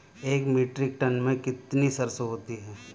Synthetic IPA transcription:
eːkmiːʈɾɪk̚ʈɐnmẽkɪt̪nisɐɾsoɦoːt̪iɦɛː

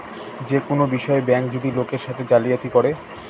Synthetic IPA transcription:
d͡ʑekonobiʃɔebɛŋkd͡ʑod̪ilokeɾʃat̪ʰed͡ʑalijat̪ikoɾe

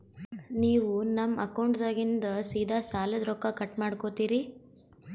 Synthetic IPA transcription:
niːʋunɐmːɐkɐwɳʈd̪aːɡind̪ɐsiːd̪ʱaːsaːlɐd̪ɾɔkːɐkɐʈmaːɽkot̪iːɾi

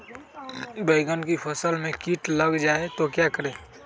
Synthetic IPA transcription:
beɪɡənkipʰəsəlmẽkiʈləɡd͡ʒaːet̪okjakəɾeː

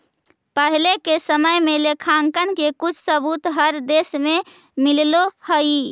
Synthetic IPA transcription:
pəɦilekesəməjmelekʰaŋkənkekut͡ʃʰsəbut̪ɦəɾd̪esme | millohəi

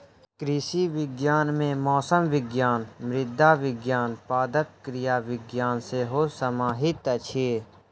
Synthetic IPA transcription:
kɾiːsiːʋɪɡjaːnmẽːmɔːsəmʋɪɡjaːnmɾɪd̪ʱaːʋɪɡjaːnpaːd̪əp̚kɾɪjaːʋɪɡjaːnseɦoːsəmaːɦɪt̪ət͡ʃʰeː

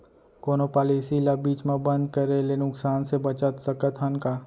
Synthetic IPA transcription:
koːnopaːlisilɐbiːt͡ʃmẽbə̃nd̪̚kəɾelenʊksaːnsebɐt͡ʃət̪səkət̪ʰənkaː

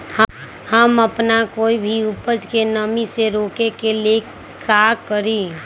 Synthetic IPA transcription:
hə | həməpnakoːibʱiupəd͡ʒkenəmiseɾoːkekele | kakəɾi

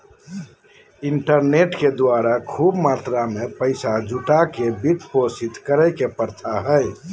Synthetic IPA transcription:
iɳʈəɾneʈked̪waɾakʰubmaːt̪ɾamẽpəɪsad͡ʒuʈakebiʈ̪posit̪kəɾəjkepəɾt̪ʰaɦəj

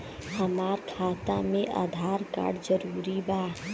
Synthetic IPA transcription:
həmaːɾkʰaːt̪amẽʔa̰d̪ʱaːɾka̰ːɽd͡ʒəɾuːɾibaː

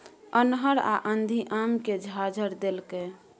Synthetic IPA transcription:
ənɦəɾa̰ʔənd̪ʱiʔamked͡ʒʱad͡ʒʱəɾd̪elke

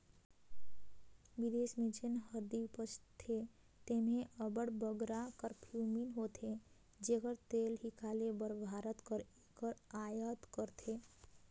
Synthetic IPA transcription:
ʋid̪eːsmit͡ʃənɦəɾd̪ipət͡ʃt̪ʰe | t̪eːmẽʔəbəɽbəɡɾakəɾpʰuminɦot̪ʰe | d͡ʒekəɾt̪eːlɦikʰaːlebəɾbʱaːɾət̪kəɾekəɾaːjət̪kəɾt̪ʰe

